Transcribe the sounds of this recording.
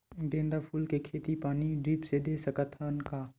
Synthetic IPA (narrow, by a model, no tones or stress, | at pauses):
ɡẽːnd̪apʰuːlkekʰeːt̪ipaːniɖɾiːpsed̪eːsəkət̪ʰənkaː